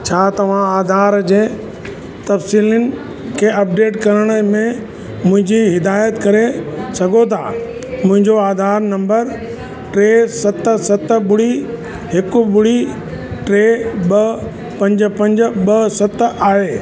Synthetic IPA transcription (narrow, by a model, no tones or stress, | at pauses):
t͡ɕʰaːt̪ɐʋ̤ãaːd̪ʱaːɾd͡ʑeː | t̪ɐfsiːlənɪ̆ | kʰeːɐp̚ɖeːʈkɐɾəɽ̃ə̆mẽ | mʊ̃ɦɪ̃ɲd͡ʑiɦɪd̪aːjət̪kɐɾesɐɡʱot̪ʰaː | mʊ̃ɦɪ̃ɲd͡ʑoaːd̪ʱaːɾnɐ̃mbəɾ | ʈɾeːsɐt̪̆sɐt̪̆ɓʊɽ̤i | ɦɪkʊɓʊɽi | ʈɾeːɓɐ | pɐ̃ɲd͡ʑ̆pɐ̃ɲd͡ʑ̆ɓɐsɐt̪aːɦeː